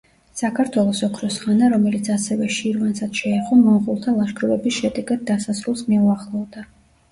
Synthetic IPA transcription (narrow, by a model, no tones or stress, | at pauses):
sakʰaɾt̪ʰwɛlˠɔsɔkʰɾɔsχanaɾɔmɛlit̪sʰasɛvɛʃiɾvansad̪ʃɛːχɔmɔmχulˠt̪ʰalˠaʃɡɾuvɛbisʃɛd̪ɛɡad̪̚d̪asasɾulˠsmɛuaχlˠɔd̪a